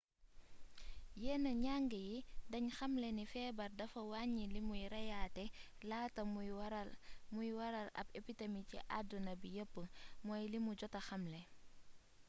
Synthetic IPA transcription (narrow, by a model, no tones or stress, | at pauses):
jɛːnəɲaːŋɡəjidɐɲxɐmlɛnifɛːbɐrdɐfɐwaːɲilimujɾɐjaːtɛ | laːtɐmlmujwɐɾɐlɐ̰bepitemiciʔa̰dunɐbijəpːəmɔːjlimuɟɔtɐxɐmlɛ